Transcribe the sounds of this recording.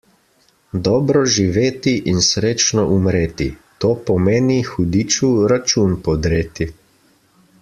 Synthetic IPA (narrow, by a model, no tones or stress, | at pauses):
d̪ɔːbɾɔʒiʋeːt̪iʔinsɾeːt͡ʃnɔʔumɾeːt̪it̪oːpɔmeːnixud̪iːt͡ʃuɾat͡ʃunpɔd̪ɾeːt̪i